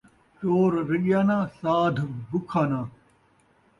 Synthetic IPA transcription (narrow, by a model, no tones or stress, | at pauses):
t͡ɕoːɾɾɪɠjaːnãːsaːd̪ʱbʊkʰaːnãː